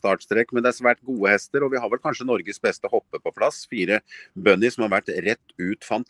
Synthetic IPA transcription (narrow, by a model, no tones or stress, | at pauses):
t̪ɑːʈst̪ɾɛkːmɛnd̪ɛæɾsʋæːʈ̚ɡuːəhɛst̪əɾɔʋɪhɑɾʋɛlkʰɑnʂənɔɾɡəsbɛst̪əhɔpːəpʰɔpʰlɑsfiːɾəbœnɪsɔmhɑɾʋæʈːɾɛt̪ːʉːt̪fɑnt̪